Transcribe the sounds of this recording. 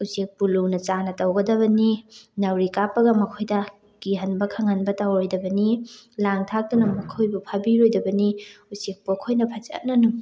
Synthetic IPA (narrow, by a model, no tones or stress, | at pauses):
usek̚pulunɐt͡ʃanɐtɐwɡɐdɐβɐninɐwɾikapːɐɡɐmɐkʰojdɐ | kiɦɐnbɐkʰɐŋɐnbɐtawɾojdɐbɐnilaŋtʰak̚dunɐmɐkʰojbupʰɐbiɾojdɐbɐniusek̚pokʰojnɐpʰat͡ʃɐ̰t̚nɐnu